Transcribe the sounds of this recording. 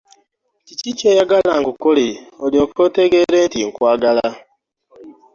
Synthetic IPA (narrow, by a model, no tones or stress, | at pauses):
ciciːt͡ʃeːjaɡalaŋɡukoleoliokoteɡeɾeːntiŋkwaːɡala